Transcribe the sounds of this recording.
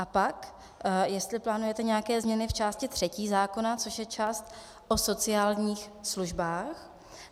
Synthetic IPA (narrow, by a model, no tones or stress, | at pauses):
ʔapak | jɛst̪lɪplaːnujɛt̪ɛɲɛjakɛːzmɲɛnɪft͡ʃaːscɪt̪r̥ɛciːzaːko̞nat͡so̞ʃjɛt͡ʃaːst̪ | ʔo̞so̞t͡sɪaːlɲiːxsluʒbaːx